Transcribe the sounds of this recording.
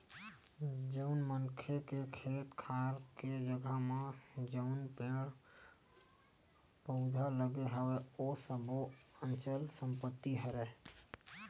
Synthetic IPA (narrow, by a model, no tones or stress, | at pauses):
d͡ʒənmənkʰekekʰet̪kʰaɾked͡ʒəɡʱamed͡ʒəʊnpeɽ | pəʊd͡ʒʱaləɡeɦəweosəbʱoənt͡ʃəlsəmpət̪ːiɦəɾɛ